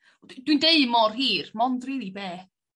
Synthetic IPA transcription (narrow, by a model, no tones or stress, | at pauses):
dd̥windeɨmɔrɦiːrmɔndrɪlibeː